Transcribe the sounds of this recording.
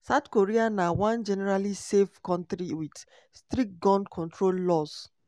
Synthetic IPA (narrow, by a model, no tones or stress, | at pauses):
saʊtkoɹianawãnd͡ʒɛnɛɾalisefkɔ̃ntɾiwid | stɾit̚ɡɔ̃ndkʰɔ̃ntɹolːɔs